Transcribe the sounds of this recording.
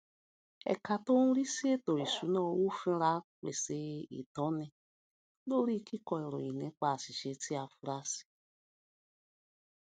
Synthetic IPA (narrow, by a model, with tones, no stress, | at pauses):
ɛ̰˨ka˨to˦nũ˦ɾi˦si˦e˦to˨i˨su˨˦nɔ˦˨˦wu˦fĩ˦ɾa˦k͡pḛ˨se˨ḭ˨tɔ˨˦ne˧ | lo˦ɾi˦kʰi˦kɔ˨i˨ɾo̰˨i˨ne˨˦k͡pa˨si˨ʃe˨ti˦a˨fu˧ɾa˦si̥˨